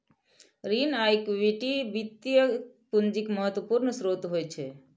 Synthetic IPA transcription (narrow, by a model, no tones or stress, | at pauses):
ɾinajkʋiʈiʋit̪jə | pund͡ʒikməɦət̪ʋəpuɾnəsɾot̪ɦojt͡ʃʰe